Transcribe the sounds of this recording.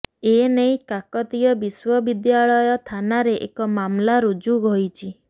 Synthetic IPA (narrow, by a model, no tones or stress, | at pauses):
enejkakɔt̪ijɔbiswɔbid̪jaɭɔjɔt̪ʰanaɾeʔḛkɔmamlaɾud͡ʒuɡʱɔjt͡ʃʰi